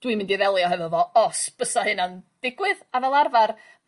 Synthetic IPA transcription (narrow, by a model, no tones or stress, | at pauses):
d̥wimɪ̃ndiðɛlˠjɔɦɛvɔvɔɔsb̥əsahɨnand̥ɪɡwɪðavɛlˠarvar